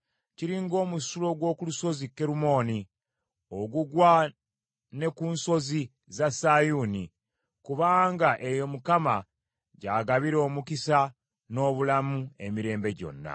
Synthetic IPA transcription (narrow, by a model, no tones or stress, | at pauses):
ciɾiŋɡo̞ːmusulo̞ɡwo̞ːkuluso̞zikːe̞ɾumo̞ːni | o̞ɡuɡwa | ne̞kuːnso̞zi | zasajuni | kuβaːŋɡaʔe̞jo̞mukama | ɟaːɡaβiɾo̞ːmukisa | no̞ːβulamue̞miɾe̞ːmbe̞ɟo̞̰nːa̰